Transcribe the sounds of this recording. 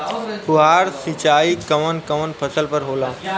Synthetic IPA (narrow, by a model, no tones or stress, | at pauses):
hʊɦaːɾsit͡ɕaːikɐʋənkɐʋənpʰɐsəlpəɾɦoːlaː